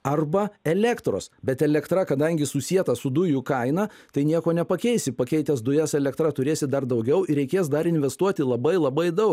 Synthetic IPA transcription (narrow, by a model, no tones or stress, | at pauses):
ɐrbɐɛlʲɛkt̪ɾo̰ːsbʲɛt̪ɛlʲɛkt̪ɾɐkɐd̪ɐŋʲɡʲɪsʊsʲiɛt̪ɐsʊd̪ʊjʊkɐɪnɐt̪ɐɪnʲiɛkoːnʲɛpɐkʲɛɪsʲɪpɐkʲɛɪt̪ʲɛsd̪ʊjɛsɛlʲɛkt̪ɾɐt̪ʊɾʲeːsʲɪtd̪ɐrd̪ɐʊɡʲɛʊɪɾʲɛɪkʲeːs̬d̪ɐɾɪnʲʋʲɛst̪uɔt̪ʲɪlˠɐbɐɪlˠɐbɐɪd̪ɐʊk